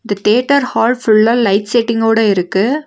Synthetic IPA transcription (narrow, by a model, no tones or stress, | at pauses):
ɪd̪ɐt̪eːʈːɐɾhaːɭfʊɭːɐlɐɪʈsɛʈːɪŋɡoːɽɐɪɾɯkːɯ